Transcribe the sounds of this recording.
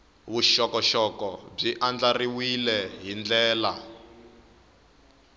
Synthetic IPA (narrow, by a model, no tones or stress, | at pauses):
wuʃɔkɔʃɔkɔb͡ʐiʔand͡ɮariwilɛɦind͡ɮɛːla